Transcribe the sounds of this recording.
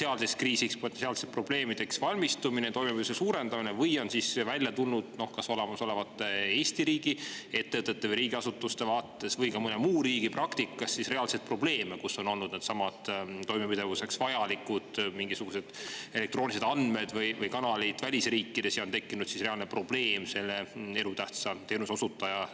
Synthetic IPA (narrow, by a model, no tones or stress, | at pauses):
seɑlsekskriːsikspoensiɑlset̪̚pro̞ble̞ːmid̪e̞ksvɑlʲmist̪uminet̪o̞jmepiusesuːɾe̞nd̪ɑminevɤjo̞nsisvælʲjɑt̪ulnud̪̥no̞hkɑso̞lemɑso̞le̞vɑt̪ːˑeeːsʲt̪iɾiːɡie̞t̪ːevɯt̪ːˑet̪ːˑevəjɾiːɡ̥iɑsut̪ːˑust̪e̞vɑːt̪ːˑe̞svɤjkɑmɤnemuːɾiːɡ̥iprɑkt̪ikːˑɑsːisre̞ɑlset̪̚pro̞ble̞ːmekuso̞no̞lnud̪̥ned̪̥sɑmɑt̪t̪ːo̞jmepid̪̥e̞vuse̞ksvɑjɑlikud̪̥miŋɡisuɡ̥use̞d̪̥e̞le̞kt̪roːnʲise̞d̪ɑnme̞d̪̥vɯjvɯjkɑnɑlit̪vælʲisriːkːid̪̥e̞sjɑont̪e̞kːinud̪sisre̞ɑlne̞pro̞b̥le̞ːmse̞lːee̞ɾut̪æht̪sɑt̪e̞ːnuso̞sut̪ːˑɑjɑ